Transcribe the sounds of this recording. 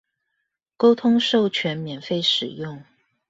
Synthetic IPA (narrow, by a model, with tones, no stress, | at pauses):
ko˥ʊt̪ʰʊ˥ŋʂo˥˧ʊt͡ɕʰɥɛ˧˥nmjɛ˨˩nfe˥˧ɪʂɻ̩˨˩jʊ˥˩ŋ